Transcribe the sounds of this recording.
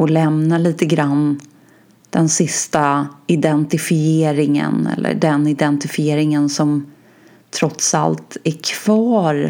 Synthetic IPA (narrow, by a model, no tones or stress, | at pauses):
ɔlɛmnaliːt̪əɡɾanː | d̪̥ɛnsɪst̪aɪd̪ɛnt̪ɪfɪeːɾɪŋə̰nɛ̰lːʔə̰ɖɛnɪd̪ɛnt̪ɪfɪeːɾɪŋənsɔm | t̪ʰɾɔt̪sa̰lt̪ækʰv̥ɑːɾ